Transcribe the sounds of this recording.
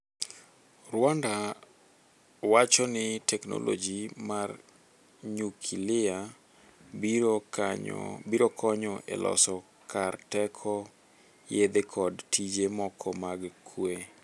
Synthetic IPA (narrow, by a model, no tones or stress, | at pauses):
rwanda | wat͡ʃɔnɪtɛkno̰lo̰d͡ʒimar | ɲukʰilɪa | ɲ̰biɾokʰɔɲɔʔḛlɔ̰sɔ | kartɛkʰɔ | jed̪ekʰɔdtʰid͡ʒemɔkʰɔmaɡkʰwe